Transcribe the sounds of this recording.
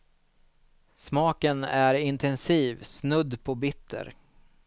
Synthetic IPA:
smɑːkənæɾɪnt̪ʰɛnsiːvsnɵd̪ːpʰɔbɪt̪ʰːə̰ɾ

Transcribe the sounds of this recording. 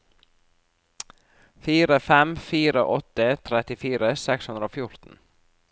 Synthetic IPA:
fiːɾəfɛmfiːɾəʔɔt̪ət̪ʰɾɛt̪ɪfiːɾəsɛkshʉnd̪ɾəoːfjʊɾt̪n̩

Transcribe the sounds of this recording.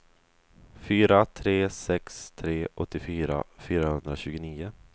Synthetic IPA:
fyːɾat̪ʰɾeːsɛkst̪ʰɾeːʔɔt̪ːɪfyːɾa̰fyːɾahɵnd̪ɾaɕʉ̟ːɡʊniːʊ

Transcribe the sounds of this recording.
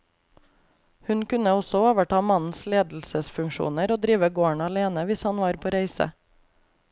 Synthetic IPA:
hʉnkʉnəɔsɔoːʋəʈɑːmɑnn̩sleːd̪l̩səsfʉŋʃṵːnəɾoːd̪ɾiːʋəɡoːəɳɑleːnəʋɪshɑnʋɑːɾpʰoːɾæɪsə̰

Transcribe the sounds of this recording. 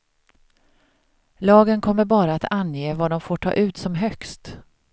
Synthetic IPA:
lɑːɡənkʰɔmːəɾbɑːɾaːt̪anjeːvad̪ɔmfoːʈʰɑ̰ːʔʉ̟ːt̪sɔmɦœkst̪

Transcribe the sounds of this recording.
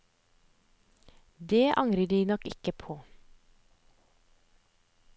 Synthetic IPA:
d̪eːʔɑŋɾəɖiːnɔkɪkəpʰoː

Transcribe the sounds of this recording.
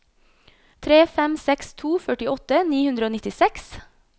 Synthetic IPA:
t̪ʰɾeːfɛmsɛkst̪ʰuːfœʈɪɔt̪əniːhʉnd̪ɾəoːnɪt̪ɪsɛks

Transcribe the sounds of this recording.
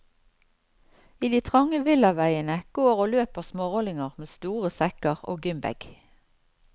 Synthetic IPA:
iːd̪iːt̪ʰʁɑŋəʋɪlɑʋæɪənəɡ̥oːʁoːløːpəʁsmoːʁɔlɪŋəʁmeːst̪uːʁəsɛkəʁo̰ːɡʏmbɛ̰ɡ̥

